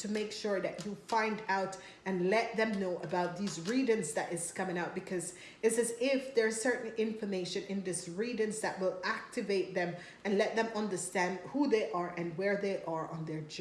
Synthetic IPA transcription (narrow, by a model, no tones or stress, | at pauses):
tʰɨmeɪkʃʊɹðɨt͡ʃufãɪ̃ndaʊt | ɨ̃nlɛt̪̚ðɨ̃mnoʊʔəbaʊt̪̚ðizɹidɨ̃nzðæɾɪskʰʌmɪ̃ŋaʊt̚b̥ɨkʰʌz | ɨtsɨzɪfðə˞z̥sɜ˞ʔn̩ɪ̃ɱfə˞meɪʃɨ̃nɪ̃nðɪsɹiɾɨ̃nzðæt̚wɪlˠæk̚tɨveɪt̪̚ðɛ̃m | ɨ̃nlɛt̪̚ðɛ̃mʌ̃ndə˞stæ̃ndhuðeɪʔəɹʔɨ̃nwəɹðeɪʔə˞ə̃nðə˞d͡ʒ